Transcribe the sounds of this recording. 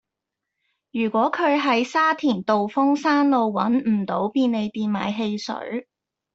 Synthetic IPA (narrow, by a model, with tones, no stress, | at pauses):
jyː˨˩kʷɔː˨˥kʰɵ˨˧ɥɦɐ˨˥jsaː˥t̪ʰiː˨˩nt̪o˨wfʊ˥ŋsaː˥nlo˧wwɐ˨˥nm̩˨˩t̪o˨˥wpiː˧nne˨˧jt̪iː˨nma̰ː˨jɦe˧jsɵ̰˨˥